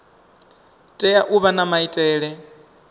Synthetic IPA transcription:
tʼɛjaʔuβanamaitʼɛːɺɛ

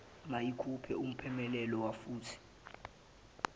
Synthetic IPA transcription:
majikʰupʰɛ̰um̩pʰɛmɛlɛlɔwafuːtʰi̥

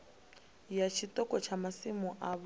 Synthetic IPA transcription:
jat͡ʃʰitɔkʼɔt͡ʃʰamasimuʔaβ

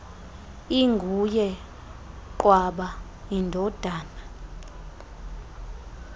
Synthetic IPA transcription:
iŋɡʱujɛ | ǃwaɓa | indʱɔd̥ʱaːna

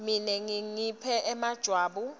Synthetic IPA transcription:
minɛŋiŋipʰɛʔɛmad̥ʒ̥ʱwaːɓu

